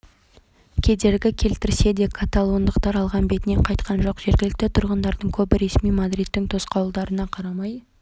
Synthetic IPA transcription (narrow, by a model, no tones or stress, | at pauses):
kʲʰe̞d̪e̞ɾɡʲɪkʲʰe̞lt̪ɪɾse̞d̪e̞kʰat̪alˠo̞nd̪əqt̪ɑɾɑlˠʁɑnbe̞t̪ɪne̞ɴqʰɑjt̪qʰɑnʒo̞qʒe̞ɾɡʲɪlɪk̚t̪ɪt̪ʰʊɾʁənd̪ɑɾd̪əɴkʲʰɵbɪɾe̞smijmad̪ɾijt̪ːɪŋt̪ʰo̞sqɑwlˠd̪ɑɾənɑqʰɑɾɑmɑj